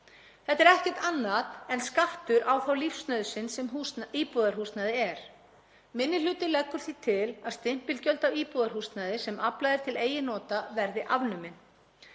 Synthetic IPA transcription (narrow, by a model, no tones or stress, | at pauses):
θɛht̪ɛɾɛhcɛ̥t̪anːaðɛnskaft̪ʏɾawθawlifst̪nœɥðsɪnsɛmusniːpuðaɾ̥huːst̪naðɪɛɾ̥ | mɪnːɪl̥ʏːt̪ɪlɛkːʏɾ̥θit̪ʰɪlaðst̪ɪm̥pɪlcœlt̪awiːpuðaɾ̥hust̪naðɪsɛmʔaplaðɪɾ̥t̪ʰɪleːjɪnɔːt̪avɛɾðɪʔavnʏmɪn